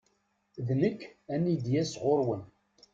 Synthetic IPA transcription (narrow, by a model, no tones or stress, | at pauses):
ðnəkːænid̪jæsʁoɾwən